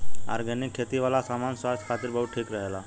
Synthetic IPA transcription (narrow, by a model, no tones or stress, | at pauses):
a̰ɾɡʱənikʰːet̪iʋalasamanswast̪ʰkʰat̪iɾbəɦut̪̚ʈʰiːkɾəɦela̰